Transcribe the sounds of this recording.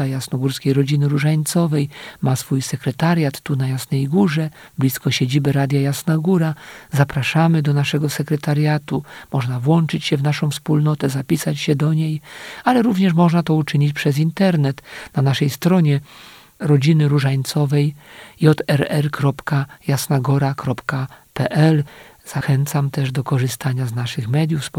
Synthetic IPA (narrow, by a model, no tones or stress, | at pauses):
ajasnɔɡuɾskʲejɾɔd͡ʑinɘɾuʐaɲt̪sɔvɛjmasfujsɛkɾɛt̪aɾʲjat̪ːunajasnɛjɡuʐɛ | blʲiskɔɕed͡ʑibɛɾad̪ʲjajasnaɡuɾazapɾaʂamɘd̪ɔnaʂɛɡɔsɛkɾɛt̪aɾjat̪umɔʐnavwɔnt͡ʂɘt͡ɕɕɛvnaʂɔ̃w̃fspulnɔt̪ɛzapʲisat͡ɕɕɛd̪ɔɲejalɛɾuvɲɛʂmɔʐnat̪ɔut͡ʂɘɲit͡ɕpʂɛzint̪ɛɾnɛt̪nanaʂɛjst̪ɾɔɲɛ | ɾɔd͡ʑinɘɾuʐajt̪sɔvɛjjɔt̪ɛɾɛɾkɾɔpkajasnaɡɔɾakɾɔpkapɛʔɛl | z̥axɛnt̪samt̪ɛʐd̪ɔkɔʐɘst̪aɲaznaʂɘxmɛd̪ʲjuf